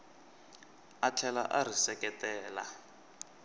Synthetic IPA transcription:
at͡ɬʰɛla̰ʔar̤isɛkɛtɛːla̰

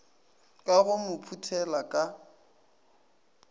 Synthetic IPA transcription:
kʼaɣʊmʊpʰutʰɛlakʼa

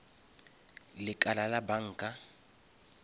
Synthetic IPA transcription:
lɪkʼalalabaŋ̩ːkʼa

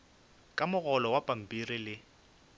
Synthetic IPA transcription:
kʼamʊɣɔlɔwapʼam̩pʼirilɪ

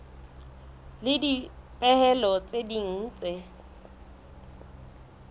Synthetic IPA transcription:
lɪdipʼɛhɛlɔt͡sʼediŋ̩ːt͡sʼɪ

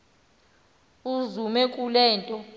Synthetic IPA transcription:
uzumɛkʼulɛːntʼɔ

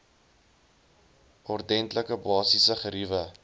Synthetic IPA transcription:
ʔɔrdɛntləkəbɑːsisəχəɾivə

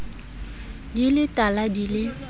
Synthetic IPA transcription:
dilɪtʼaladilɪ

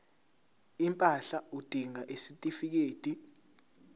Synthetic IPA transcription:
impʼaɬaud̥ʱiŋaʔesitʼifik̬eːd̥ʱi

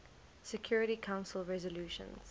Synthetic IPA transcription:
sɛkʰj̥ɔːɹɪɾikʰãʊ̃nsəlˠɹɛzɔljuːʃə̰̃nz̥

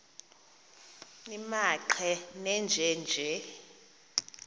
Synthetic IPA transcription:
nimaǃʰɛnɛnd͡ʒʱɛnd͡ʒʱɛ

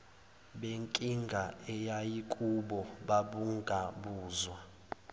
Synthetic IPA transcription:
ɓeŋkʼiŋɡʱaɛjajikʼuɓɔɓaɓuŋɡʱaɓuːzwa

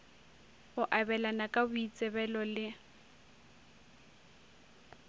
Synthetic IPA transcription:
ʊʔabɛlanakʼabʊit͡sʼɛβɛlɔlɪ

